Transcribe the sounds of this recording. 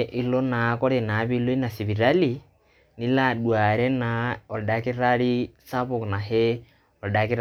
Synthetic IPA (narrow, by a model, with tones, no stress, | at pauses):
ʔi˦lɔ˦na˨kɔ˦ɾɛ˨na˨˦βi˦lo˦i˦na˨si˨βi˨ɾali | ni˦la˨ɗwa˨ɾɛ˦naɔ˨da˨ki˦ɾali˦sa˦βu˨kna˨ɦɛ˦ | ɔ˨da˨ki˦ɾ